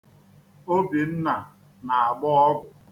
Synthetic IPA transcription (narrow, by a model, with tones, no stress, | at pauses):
o˦bi˨n̩˦na˨ | na˨a˨ɡ͡bɔ˦ɔ˦ɡʷʊ˨